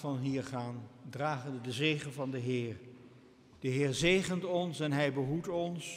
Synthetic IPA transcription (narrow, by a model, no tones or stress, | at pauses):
vɑnɦiːɹχaːndraːχənədəzeːχənvɑndəɦɪːr | d̥əɦɪːɹzejχəntɔnsɛnɦɛjbəɦutɔns